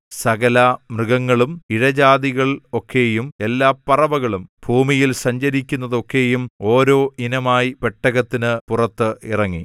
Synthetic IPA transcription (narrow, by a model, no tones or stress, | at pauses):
sɐɣɐlamrɨɣɐŋːɐɭumiɻɐd͡ʑaːðiɣɐɭo̞kʰːe̞jume̞lːaːpːɐrɐʋɐɣɐɭumbʱuːmijilsɐɲd͡ʑɐɾikʲːunːɐðo̞kːe̞jumo̞ːɾo̞ːʔinɐmaːjipeʈːɐɣɐt̪ːinɨpurɐt̪ːɨirɐŋːi